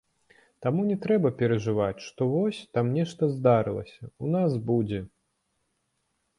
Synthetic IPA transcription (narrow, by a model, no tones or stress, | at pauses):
t̪amunʲɛt̪ɾɛbɐpʲɛɾɐʐɨvat͡sʲʂt̪ɔvɔsʲt̪amnʲɛʂt̪ɐzd̪aɾɨlˠɐ̰sʲɐunasbud͡zʲɛ